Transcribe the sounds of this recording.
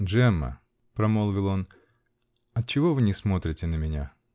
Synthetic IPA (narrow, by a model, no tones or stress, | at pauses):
ʐɛmə̰ | pɾɐmolˠvʲɪlˠo̞n | ɐtt͡ɕːɪvovɨnʲɪsmo̞t̪ɾʲɪtʲɪnəmʲɪnʲa